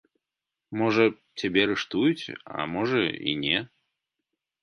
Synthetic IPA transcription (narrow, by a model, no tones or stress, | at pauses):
mɔʐɐ | t͡sʲabʲɛɾɨʂt̪ujut͡sʲa̰mɔʐɐḭnʲɛ